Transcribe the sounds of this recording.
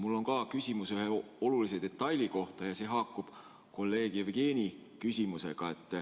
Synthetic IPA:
mulːo̞ŋkɑːkysʲimusyheo̞lulise̞d̪e̞t̪ːˑɑjlʲiko̞ht̪ɑjɑse̞ɦɑːkːˑub̥ | ko̞lːe̞ːɡ̥evɡ̥e̞ːnikysʲimuse̞̰ɡ̥ɑe̞t̪ːˑ

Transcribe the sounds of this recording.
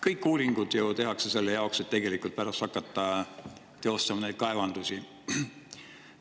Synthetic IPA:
kɤjkːuːɾiŋɡ̥ud̪̥jut̪e̞ɦɑkse̞se̞lːejɑokset̪ːe̞ɡ̥elikːˑult̪̚pæɾɑst̪ɑkːˑɑt̪ːɑ | t̪e̞o̞st̪ɑmɑne̞jd̪̥kɑe̞vɑnd̪̥usʲi

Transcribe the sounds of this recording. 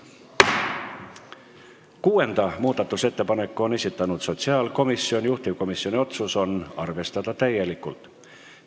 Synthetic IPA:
kuːe̞nd̪̥ɑmuːd̪̥ɑt̪ːˑuse̞t̪ːe̞pɑne̞kːˑuo̞ne̞sʲit̪ːˑɑnut̪so̞t̪siɑːlko̞misːio̞nʲjuht̪ivko̞misjo̞nʲio̞t̪suso̞nɑrvest̪ɑd̪̥ɑt̪æje̞likːˑult̪

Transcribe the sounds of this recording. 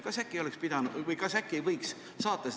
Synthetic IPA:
kɑsækːˑio̞lɛkspid̪ɑnud̪jvɤjkɑsækːiejvɤjks | sɑːt̪ːˑɑs

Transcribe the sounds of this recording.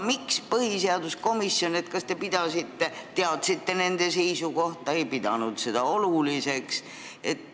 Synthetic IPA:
mikspɤhiseɑd̪usko̞misːjo̞net̪kɑst̪e̞pid̪̥ɑsit̪ːe̞t̪eɑt̪sit̪ːe̞ne̞nd̪̥e̞se̞jsuko̞ht̪ˑɑejpid̪̥ɑnud̪̥se̞d̪̥ɑo̞lulise̞ks | e̞t̪ː

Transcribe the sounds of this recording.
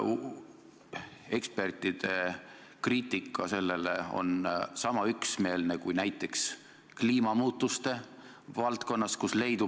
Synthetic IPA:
e̞kspe̞rt̪ːˑid̪̥e̞ | kriːt̪ˑikʰːˑɑse̞lːe̞le̞̰o̞̰nsɑmɑyksme̞ːlnekujnæjt̪ːˑe̞ks | kliːmɑmuːt̪ːˑust̪e̞ | vɑlt̪ko̞nːɑskusle̞jd̪u

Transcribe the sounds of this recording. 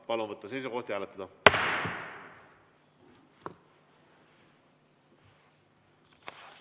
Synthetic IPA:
pɑlunvɤt̪ːɑse̞jsuko̞ht̪jæːlet̪ːˑɑd̪ɑ

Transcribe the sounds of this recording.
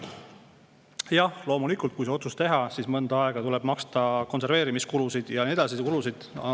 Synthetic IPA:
jɑhlo̞ːmulikːˑult̪kujs̬e̞o̞t̪sust̪e̞ɦɑsismɤnd̪̥ɑɑeɡ̥ɑt̪ule̞b̥mɑkst̪ɑko̞nse̞rve̞ːɾimiskulusid̪̥jɑnied̪̥ɑsikulusid̪̥

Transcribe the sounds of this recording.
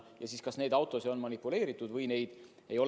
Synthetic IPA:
jɑsiːskɑsne̞jd̪̥ɑwt̪ːˑo̞sio̞nmɑnipːˑule̞ːɾit̪ːˑud̪vɤjne̞jd̪̥ | e̞jo̞

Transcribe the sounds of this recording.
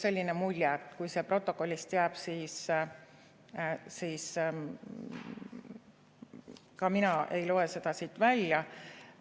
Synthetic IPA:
se̞lʲːinemulʲjɛt̪ːˑkujse̞pro̞t̪ːˑo̞ko̞lʲːist̪jæːb̥siːs | siːs | kɑminɑʔe̞jlo̞e̞se̞d̪̥ɑsiːt̪ːˑvælʲjɑ

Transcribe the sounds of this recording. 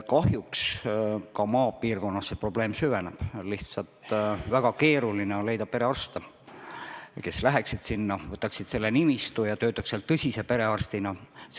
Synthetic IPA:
kɑhjukskɑmɑːpiːrko̞nːɑssepro̞b̥le̞ːmsyveneb̥liht̪sɑlt̪væɡ̥ɑke̞ːɾulineonle̞jd̪ɑpe̞ɾe̞ɑrst̪e | ke̞slæɦeksid̪̥sinːɑvɤt̪ːˑɑksid̪̥se̞lːenimist̪ujɑt̪ø̞ːt̪ːˑɑkseɑlt̪ɤsʲise̞pe̞ɾe̞ɑrst̪inɑs

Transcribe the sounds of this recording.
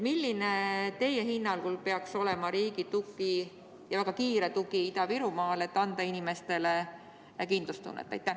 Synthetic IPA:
milːinet̪e̞jeɦinːɑlkulpe̞ɑkso̞le̞mɑɾiːɡit̪uɡˑi | jɑvæɡ̥ɑkiːɾet̪uɡiit̪ɑviɾumɑːle̞t̪ːɑnd̪̥ɑinime̞st̪e̞le̞ | kind̪lust̪ṵnːḛt̪ːˑɑ̰jt̪ːæ

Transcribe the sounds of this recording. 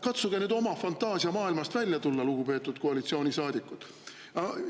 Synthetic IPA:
kɑt̪suɡ̥enyːd̪o̞mɑfɑnt̪ːˑɑːsiɑmɑːilmɑst̪vælʲjɑt̪ulːɑluɡ̥upe̞ːt̪ːˑud̪̥̚koɑlit̪sio̞ːnʲisɑːd̪̥ikːˑut̪ | ɑ

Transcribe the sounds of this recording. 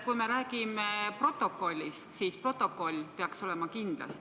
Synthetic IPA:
kujme̞ɾæːɡimepro̞t̪ːˑo̞kːo̞lʲːist̪siːspro̞t̪ːˑo̞kːo̞lʲːpeɑkso̞le̞mɑkind̪̥lɑ̰st̪

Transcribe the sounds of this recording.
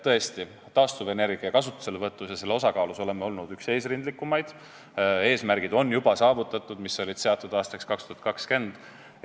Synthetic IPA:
t̪ɤ̞e̞st̪i | t̪ɑːst̪uve̞ne̞rɡ̥iɑkɑsut̪ːˑu̥se̞levɤt̪ːˑusjɑse̞lːe̞o̞sɑkɑːluso̞le̞meo̞lnud̪ykse̞ːsrind̪likːˑumɑjd̪̥ | e̞ːsmærɡ̥id̪̥o̞nːjub̥ɑsɑːvut̪ˑːɑt̪ˑːud̪̥miso̞lʲid̪̥se̞ɑt̪ːˑud̪ɑːst̪ɑkskɑkst̪uhɑt̪̚kɑkske̞nd̪̥

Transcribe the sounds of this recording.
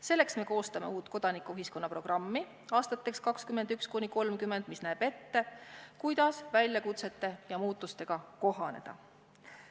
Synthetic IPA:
se̞lːe̞ksme̞ko̞ːst̪ɑme̞̰uːt̪ːˑko̞d̪̥ɑnikuyɦiskonːɑpro̞ɡ̥rɑmːi | ɑːst̪ɑt̪ːˑe̞kskɑkskyme̞nd̪ykskunʲiko̞lmkymːe̞nd̪̥misnæːb̥e̞t̪ːe̞kujd̪̥ɑsvæjlʲjɑkut̪se̞t̪ːˑe̞jɑmuːt̪ːˑust̪e̞ɡ̥ɑko̞ɦɑne̞̰d̪̥ɑ̰

